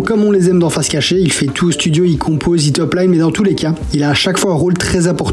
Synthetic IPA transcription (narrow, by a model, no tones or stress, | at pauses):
kkːɔmɔ̃lezɛmd̪ɑ̃fɛʁskaʃeilfɛt̪ʰust̪yd̪joilkʰɔ̃pʰozit̪ɔplajnmɛd̪ɑ̃t̪ulekʲa | ilaːʃakfwaɛ̃ʁolt̪χɛzãpɔʁt̪